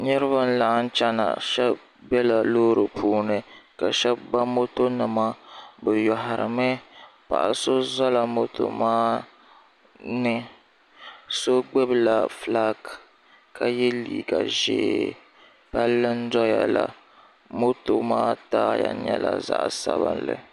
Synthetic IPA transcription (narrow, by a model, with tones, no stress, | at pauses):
ɲɛ˦ɾɨ˦βa˦n̩˦la˨ʔn̩˦t͡ʃɛ˦na̰˨ʃɛ˦b | bɛ˦la˨loː˦ɾɨ˨pʰuː˦nɨ˦ka˨ʃɛ˦bba˦mo˦to˦nɨ˨ma˦bɨ˨jɔ˨ɦa˨ɾɨ̰˨mɛ˦pa̰˨ʔa˨so˦za˦la˨mo˦to̰˨maː˦ | nɨ˦ | so˦ɡ͡be˦bla˨fla˦ɡ | kʰa˦jɛ˦liː˨ɡa˨ʒḛː˨ | pa˦lːɨ˦n̩˦dɔ˦ja˨la˨ | mo˦to˨maː˦taː˦ja̰˨ɲɛ˦la˨za̰˨ʔsa˦bɨ̰˦nlɨ̰˨